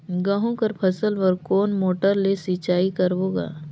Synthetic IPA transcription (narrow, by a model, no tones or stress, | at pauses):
ɡãɦõkəɾpʰɐsələɾkoːnmoːʈəɾlesiːt͡ʃaːikɐɾʋoːɡa̰ː